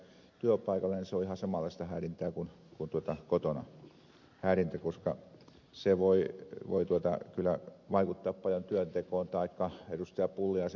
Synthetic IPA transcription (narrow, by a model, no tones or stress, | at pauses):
t̪yøpɑikɑlːɑniseoihɑsɑmɑˑlːˑɑˑist̪ɑhæːrint̪æːkun | kunt̪uot̪ɑkot̪onɑ̰ | hæːɾint̪ækoskɑ̰ | seʋoiʋo̰it̪uot̪ɑ̰kylːˑæ̰ʋɑikut̪ːɑːppɑljont̪yønt̪ekoːnt̪ɑikːɑedust̪eɑppulːiɑs